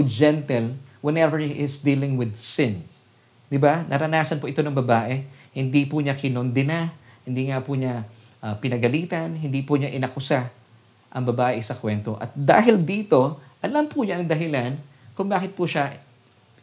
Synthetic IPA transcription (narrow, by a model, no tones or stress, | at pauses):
d͡ʒɛnt̪ɛlwɛnɛvɛɹʔɪsd̪iːlɪŋwɪd̪sɪn | d̪ɪbanʔɐ̰ɾɐnaːsɐnpoʔɪt̪o̞nɐŋbɐbaːʔɛhɪnd̪ipʊɲakɪnond̪ɪnahɪnd̪iŋapʊɲa | ʔɐpɪnɐɡɐliːt̪ɐnhɪnd̪iːpʊɲaʔɪnɐkʊsa | ʔɐŋbɐbaːʔɪsɐkwɛnt̪o̞̰ʔɐ̰t̪̚d̪a̰ːɦɪld̪iːt̪o̞ʔɐlampʊɲaʔɐŋd̪ɐɦɪlan | kʊŋbaːkɪt̪̚pʊʃa